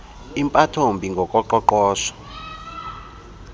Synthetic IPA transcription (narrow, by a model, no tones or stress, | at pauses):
impʼatʰombʱiŋɡʱɔkʼɔǃɔǃɔːʃɔ̥